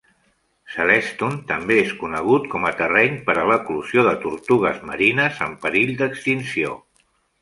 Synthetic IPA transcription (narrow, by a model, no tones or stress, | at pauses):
səlɛst̪unt̪əmbeeskunəɣ̞ut̪kɔmət̪ərɛɲpəɾələkluz̥joðət̪uɾt̪uɣ̞əzmə̰ɾinəzəmpəɾiʎd̪əkst̪insio̰